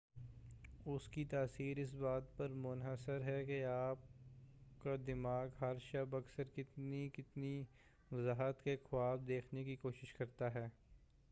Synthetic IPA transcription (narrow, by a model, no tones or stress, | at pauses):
ʊskit̪aːsiːɾɪs̬baːt̪̚pɐɾmʊnɦəsəɾɦɛkeaːp̚kad̪ɪmaːɡɦɐɾʃɐbɐksəɾkɪt̪nikɪt̪ni | ʋɐzaːɦət̪kexʊwaːb̚d̪eːkʰnekikoːʃɪʃkɐɾt̪aɦɛː